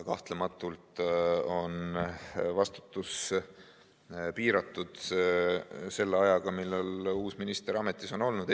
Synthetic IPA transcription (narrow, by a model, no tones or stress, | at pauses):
kɑht̪lemɑt̪ːˑult̪o̞n | vɑst̪u̥t̪ːˑus | piːɾɑt̪ːˑud̪̥ | se̞lːeɑjɑɡ̥ɑmilːeluːsminist̪e̞ɾɑme̞t̪ːˑiso̞no̞lnud̪̥